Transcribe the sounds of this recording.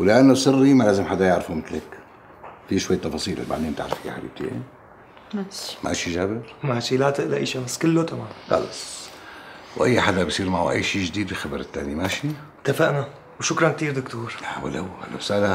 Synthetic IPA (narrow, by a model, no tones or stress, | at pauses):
wlɪʔanːosˤɨrːimalaːzɪmħad̪ːajaʕɾfumɪt̪lak | fiʃwajːt̪ːɑfɑːsˤiːlɪ̰lba̰ʕd̪iːmt̪aʕɾˤfija̰ħad̪ḭːb̚t̪ʰḛːn | mʔa̰ʃid͡ʒaːbɪlmaʃilat̪ɪʔlaʔa̰ːʃamasːkɪlːot̪amaːnxɑ̰lɑs | wʔa̰jːħad̪absˤiːɾmaʕṵʔa̰jːʃiːd͡ʒd̪iːd̪bixabɑɾˤɪt̪ːaːnimaʃi | t̪afaʔna | wʃʊkɾˤɑnk̚t̪iːɾd̪ʊkt̪uːɾawa̰lawa̰lɪsaːla